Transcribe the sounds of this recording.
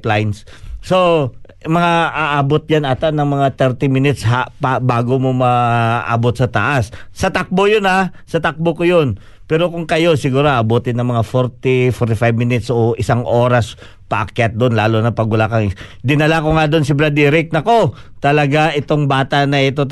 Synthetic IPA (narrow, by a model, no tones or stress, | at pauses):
plajns | so̞ | mɐŋaʔaʔaːbot̪̚janat̪aʔnɐŋmɐŋat̪ɛɾt̪ɪmɪnɪt̪shapabaːɡomomɐʔa̰ːbot̪̚sɐt̪ɐ̰ʔasːɐt̪ak̚bojona | sɐt̪ak̚bokojon | pɛːɾo̞kʊŋkɐjo̞sɪɡuːɾoʔɐbuːt̪ɪnɐŋmɐŋafoɾt̪ɪfoɾt̪ɪfajb̚mɪnɪt̪sʔoʔɪsaŋʔo̞ːɾɐs | pɐ̰ʔɐ̰kjat̪̚d̪onlaːlonɐpɐɡʊlakɐŋd̪ɪnɐlakoŋad̪onsɪbɾɐd̪iɾɪk̚nɐko̞t̪ɐlɐɡaʔɪt̪o̞ŋbaːt̪aʔnɐɛt̪o̞